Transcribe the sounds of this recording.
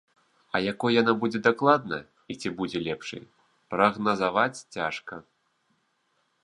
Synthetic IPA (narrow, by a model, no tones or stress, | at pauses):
ɐjakɔjjanabud͡zʲɛd̪aklˠad̪nɐ̰ | it͡sʲibud͡zʲɛlʲɛpʂɨ̰j | pɾɐɣnɐzavat͡sʲt͡sʲaʂkɐ